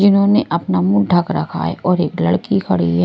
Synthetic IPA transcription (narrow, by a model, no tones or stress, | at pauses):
d͡ʒɪnɦõneʔɐpnamʊ̃nʈʰəkɾɐ̰kʰa̰ɛ̰ɔːɾeːklɐɽkikʰɐɽḭɦɛ